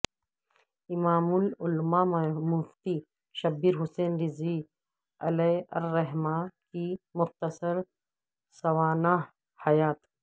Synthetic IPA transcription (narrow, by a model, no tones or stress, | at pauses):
ɪmaːmʊlʊlmaːmʊft̪i | ʃɐbiɾɦʊseːnɾɪzi | ɐleɐ̰ɾːɐɦmaːkimʊxt̪əsɐɾ | sɐwaːna | hɐjaːt̪